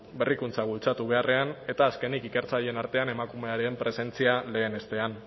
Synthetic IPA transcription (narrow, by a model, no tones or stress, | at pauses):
be̞rikunt͡saβult͡sat̪uβ̞e̞are̞ane̞t̪aːske̞nikike̞ɾt͡saʎe̞naɾt̪e̞ane̞makume̞aɾempɾe̞se̞nt͡siale̞ːne̞st̪e̞an